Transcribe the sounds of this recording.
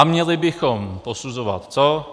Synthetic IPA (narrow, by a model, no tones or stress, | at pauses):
amɲɛlɪbɪxomposuzova̰t̪t͡so